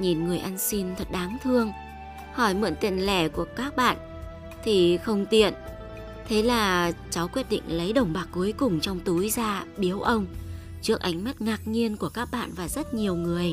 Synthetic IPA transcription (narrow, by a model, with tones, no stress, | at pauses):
ɲi˨˩nŋɨ˨˩əjʔa˧nsi˧nt̪ʰə˨˩t̚ɗaː˨˦ŋt̪ʰɨ˧əŋ | hɔ˧˩jmɨ̰˧˨nt̪ḭ˧˨nlɛ˧˩ku˧˩əkaː˦˥k̚ɓa̰ː˧˨n | t̪ʰi˨˩xə˧wŋ͡mt̪ḭ˧˨ən | t̪ʰe˨˦laː˨˩t͡ɕa˨˦wkwi˦˥t̚ɗḭ˧˨ŋ̟lə˨˦jɗə˨˩wŋ͡mɓaː˨˩k̚kːu˨˦əjkʊ˨˩ŋ͡mt͡ɕɔ˧wŋ͡mt̪u˨˦jzaː˧ɓi˨˦əwʔə˧wŋ͡m | t͡ɕɨ˦˥ək̚ʔa˨˦jŋ̟ma˦˥t̚ŋaː˨˩k̚ɲi˧ənku˧˩əkaː˦˥k̚ɓa̰ː˧˨nvaː˨˩zə˦˥t̚ɲi˨˩əwŋɨ˨˩əj